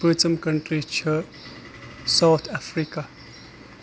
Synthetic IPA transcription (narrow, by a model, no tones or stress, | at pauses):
bət͡səmkəɳʈrit͡ʃʰə | sawt̪ʰafɾika